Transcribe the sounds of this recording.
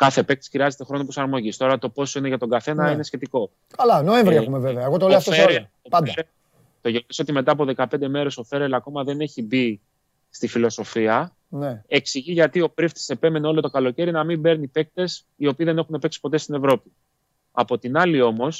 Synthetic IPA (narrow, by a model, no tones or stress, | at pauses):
kɐθe̞pe̞k̚t̪esxɾiɐze̞t̪e̞xɾo̞no̞pɾosɐɾmo̞ʝist̪o̞ɾɐt̪o̞po̞soine̞ʝɐt̪o̞ŋɡɐθe̞nɐinesçe̞t̪iko̞ | kɐlɐnoeɱvɾieumeveveɐeɣot̪olesoeɾ | oɐd̪ɐɾel | t̪o̞ʝeniso̞t̪ime̞t̪̬ɐːp̬oðe̞kɐpe̞nd̪e̞me̞ɾe̞so̞fe̞ɾelɐko̞mɐðe̞ne̞çibi | st̪ifilo̞so̞fiɐ | nee̞ksiʝiʝɐt̪io̞pɾift̪i̥se̞pe̞me̞neolot̪okɐlo̞ce̞ɾinɐmimbe̞ɾnipe̞k̚t̪e̞s | io̞piːðe̞ne̞xunepe̞ksi̥po̞t̪est̪ine̞vɾo̞pi | ɐpo̞t̪inɐlio̞mo̞s